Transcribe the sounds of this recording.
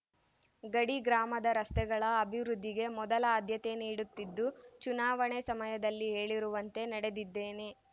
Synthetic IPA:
ɡɐɽiɡɾaːmɐd̪ɐɾɐst̪ɛɡɐɭɐːbʱiʋɾud̪ʱːiɡe̞mɔd̪ɐlɐːd̪ʱjɐt̪e̞niːɽut̪ːid̪ːut͡ʃunaːʋɐɳesɐmɐjɐd̪ɐlːiɦe̞ːɭiɾuʋɐnt̪e̞nɐɽe̞d̪id̪ːe̞ːne̞

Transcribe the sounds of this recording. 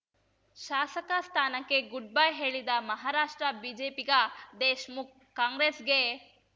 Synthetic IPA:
ʃaːsɐkɐst̪ʰaːnɐkːe̞ɡuɖ̚bajɦe̞ːɭid̪ɐmɐɦaːɾaːʂʈɾɐbiːd͡ʒeːpiɡɐd̪eːʃmuk̚ | kːaːŋɡɾeːsɡe

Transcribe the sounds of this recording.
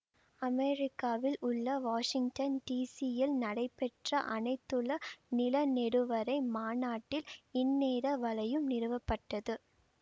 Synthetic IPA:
ɐmɛɾɪkːaːʋɪlʔʊɭːɐʋaːʂɪŋɡʈɐnʈiːsɪjɪlnɐɽɐɪpːɛʈrɐʔɐnɐɪt̪ːɯɭɐnɪlɐnɛɽɯʋɐɾɐɪmaːnaːʈːɪlɪnːeːɾɐʋɐlɐjɯmnɪɾɯʋɐpːɐʈːɐðɯ

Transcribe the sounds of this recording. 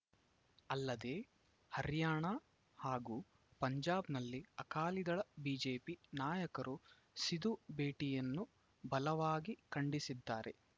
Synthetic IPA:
ɐlːɐd̪e̞ː | hɐɾjaːɳɐ | haːɡuː | pɐɲd͡ʒaːbnɐlːiɐkaːlid̪ɐɭɐbiːd͡ʒe̞ːpinaːjɐkɐɾʔu | sid̪ubeːʈijɐnːu | bɐlɐʋaːɡikɐɳɖisid̪ːaːɾe̞

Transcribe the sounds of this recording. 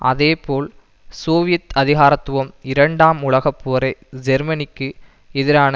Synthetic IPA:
ʔɐðeːpoːl | soːʋɪjɐt̪ɐðɪɣaːɾɐt̪ːʊʋɐmɪɾɐɳɖaːmʊɭɐɣɐpːoːɐɾɐɪd͡ʒɛɾmɐnɪkːɯ | ɛðɪɾaːnɐ

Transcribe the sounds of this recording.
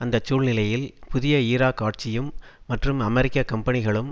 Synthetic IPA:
ɐnd̪ɐt͡ʃːuːɭnɪlɐjɪlpʊðɪjɐiːɾaːkːaːʈ̚t͡ʃɪjɯmː | ɐʈrɯmɐmɛɾɪkːɐkːɐmpɐnɪɣɐɭɯm

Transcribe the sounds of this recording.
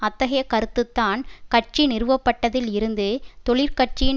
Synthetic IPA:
ɐt̪ːɐɣɐjɐkɐɾɯt̪ːɯt̪ːaːnkɐʈ̚t͡ʃinɪɾɯʋɐpːɐʈːɐðɪlɪɾɯnd̪ɯt̪ɔɭɪɾkɐʈt͡ʃɪ

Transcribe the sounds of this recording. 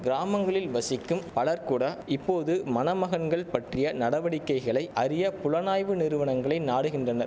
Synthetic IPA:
ɡɪɾaːmɐŋɡɐɭɪlʋɐsɪkːɯmpɐɭɐɾkuːɽɐɪpːoːðɯmɐnɐmɐɣɐnɡɐɭpɐʈrɪjɐnɐɽɐʋɐɽɪkːɐɪɣɐɭɐɪʔɐɾɪjɐpʊlɐnaːjʋɯnɪɾɯʋɐɳɐŋɡɐɭɐɪnaːɽɯɣɪndrɐnɐɾ

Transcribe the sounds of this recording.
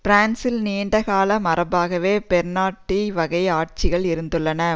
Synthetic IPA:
pɾaːnsɪlniːɳɖɐɣaːlɐmɐɾɐbaːɣɐʋeːpɛɾnaːʈːiʋɐɣɐɪaːʈ̚t͡ʃɪɣɐɭɪɾɯnd̪ɯɭːɐnɐ

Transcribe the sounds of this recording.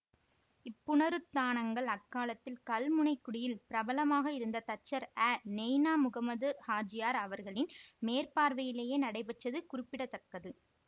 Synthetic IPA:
ɪpːʊɳɐɾɯt̪ːaːɳɐŋɡɐɭɐkːaːlɐt̪ːɪlkɐlmʊɳɐɪkːʊɽɪjɪlpɪɾɐbɐlɐmaːɣɐɪɾɯnd̪ɐt̪ɐt͡ʃːɐɾæːnɛjnaːmʊɣɐmɐðɯhaːd͡ʒɪjaːɾɐʋɐɾɣɐɭɪnmeːɾpaːɾʋɐjɪleːjeːnɐɽɐɪpɛʈrɐðɯkʊɾɪpːɪɽɐt̪ːɐkːɐðɯ

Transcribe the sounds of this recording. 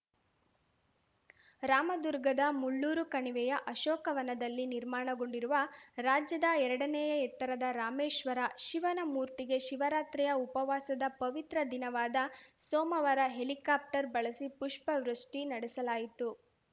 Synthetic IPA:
ɾaːmɐd̪uɾɡɐd̪ɐmuɭːuːɾukɐɳiʋɛjɐʔɐʃɔːkɐʋɐnɐd̪ɐlːiniɾmaːɳɐɡo̞ɳɖiɾuʋɐɾaːd͡ʒjɐd̪ɐɛɾɐɽɐnɛjɐɛt̪ːɐɾɐd̪ɐɾaːmeːʂʋɐɾaʃiʋɐnɐmuːɾt̪iɡe̞ʃiʋɐɾaːt̪ɾɛjɐupɐʋaːsɐd̪ɐpɐʋit̪ɾɐd̪inɐʋaːd̪ɐsɔːmɐʋɐɾɐɦe̞likaːp̚ʈɐɾbɐɭɐsipuʂpɐʋɾɐʂʈinɐɽɛsɐlaːjit̪u

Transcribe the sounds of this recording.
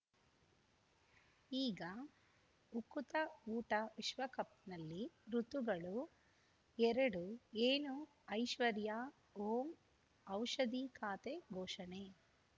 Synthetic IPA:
iːɡɐ | ukut̪ɐuːʈɐʋiʃʋɐkɐp̚t̪nɐlːiɾut̪uɡɐɭu | ɛɾɐɽueːnu | ɐjʃʋɐɾjɐ | oːm | ɐwʂɐd̪ikaːt̪eɡʱɔːʃɐne

